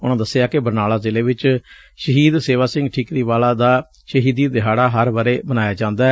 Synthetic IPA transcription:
ʊnãːd̪əsɪjaːkɪbəɾnaːlaːzɪleːʋɪt͡ʃ | ʃəɦiːd̪seːʋaːsɪ̃ŋɡʈʰiːkɾiːʋaːlaːd̪aː | ʃəɦiːd̪iːd̪ɪɦaːɽaːɦəɾʋəɾeːbənaːjaːd͡ʒãːnd̪aː

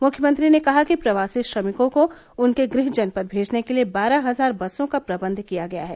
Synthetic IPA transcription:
mʊkʰjəmə̃nt̪ɾinekɐɦakipɾɐʋaːsiʃɾɐmɪkõko | ʊnkeɡɾɪɦd͡ʒɐnpɐɾbʱeːd͡ʒnekeliebaːɾaɦɐzaːɾbɐsõkapɾɐbə̃nd̪ʱkijaɡɐja̰ɦɛː

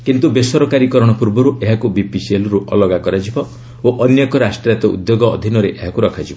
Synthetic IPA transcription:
kint̪ubesɔɾɔkaɾikɔɾɔɽ̃ɔpuɾbɔɾuʔeɦakubipiselɔɾuʔɔ̰lɔɡakɔɾad͡ʒibɔ | oʔɔnjɔkɔɾasʈɾat̪ɔʔṵd̪joɡɔɔ̰d̪ʱinɔɾeʔeɦakuɾɔkʰad͡ʒibɔ

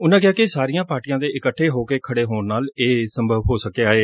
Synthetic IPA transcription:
ʊnãːkɪjaːkɪsaːɾijãːpaːɾʈijãːd̪eːʔɪkəʈʰːeːɦoːkeːkʰəɽeːɦoːnnaːleːsəmbʱəʋɦoːsəkeːaːeː

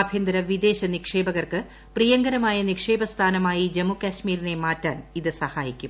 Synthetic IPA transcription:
ɐbʱjɐnd̪ɾɐʋid̪e̞ːɕɐnikʂe̞ːbɐɣɐrkɨ | prijɐŋɡɐɾɐmaːjɐnikʂe̞ːbɐst̪ʰaːnɐmaːjid͡ʑemukɐɕmiːɾine̞maːtːa̰ːniðɨsɐhaːjikʲːum

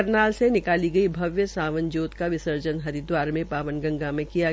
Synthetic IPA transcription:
ɾnaːlsenɪkaːliɡɐibʱɐʋjəsaːʋə̃nd͡ʒoːt̪kaʋɪsəɾd͡ʒənɦɐɾɪd̪waːɾmẽpaːʋənɡɐ̃ŋɡamẽkija

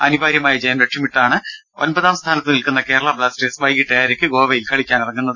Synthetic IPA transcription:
ɐnubʱaːɾjɐmaːjɐd͡ʑejɐmɾeʈʂɐmiʈːaːɳɨ | o̞̰nbɐðaːmst̪ʰaːnɐt̪ːɨnilkunːɐke̞ːɾɐɭɐbɭaːsʈesʋɐjɡiʈːɐjaːɾekʲːɨɡo̞ːʋejilkɐɭikʲːaːnirɐŋːunːɐðɨ

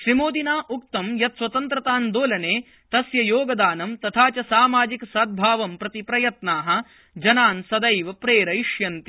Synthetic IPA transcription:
ʃɾimoːd̪inaːʔuk̚t̪ɐmjɐt̪swɐt̪ɐnt̪ɾɐt̪aːnd̪oːlɐneː | t̪ɐsjɐjoːɡɐd̪aːnɐmt̪ɐt̪ʰaːt͡ʃɐsaːmaːd͡ʒikɐsɐd̪̚bʱaːʋɐmpɾɐt̪ipɾɐjɐt̪naːɦɐ̆ | d͡ʒɐnaːnsɐd̪ɐjʋɐpɾeːɾɐjiʂjɐnt̪i

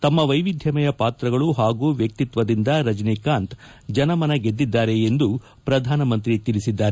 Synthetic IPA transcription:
t̪ɐmːɐʋɐjʋid̪ʱjɐmɐjɐpaːt̪ɾɐɡɐɭuɦaːɡuːʋjɐk̚t̪it̪ʋɐd̪ind̪ɐɾɐd͡ʒnikaːnt̪ | d͡ʒɐnɐmɐnɐɡe̞d̪ːid̪ːaːɾe̞end̪u | pɾɐd̪ʱaːnɐmɐnt̪ɾit̪iɭisid̪ːaːɾe

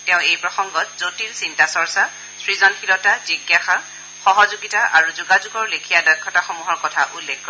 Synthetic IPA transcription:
tɛ̃ʊ̃ejpɹɔsɔŋɡɔtz̥otiɹsintasɔɹsa | sɹizɔnxilɔtaziɡjaxa | xɔɦɔzuɡitaʔaɹuzuɡazuɡɔɹlekʰijadɔjkʰːɔtaxɔmuɦɔɹkɔtʰa̰ʔulːekʰkːɔ

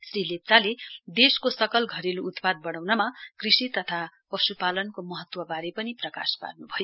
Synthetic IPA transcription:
srilett͡saled̪eskosʌkʌlɡʱʌɾeluut̪pad̪̚bʌɽ̃awnʌmakrisit̪ʌt̪ʰapʌsupalʌnkomʌɦʌt̪wʌbaɾepʌniprʌka̰spa̰rnubʱʌjo

